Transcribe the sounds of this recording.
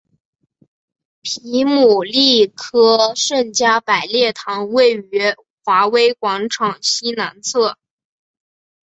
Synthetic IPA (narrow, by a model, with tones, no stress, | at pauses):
pʰi˧˥mu˨˩li˥˩kʰɤ˥ʂə˥˩nt͡ɕja˥pa˨˩ɪljɛ˥˩t̪ʰɑ˧˥ŋwe˥˩ɪy˧˥ | xwa˧˥we˥ɪkwɑ˧˥ŋʈ͡ʂʰɑ˨˩ŋɕi˥na˧˥nt͡sʰɤ˥˩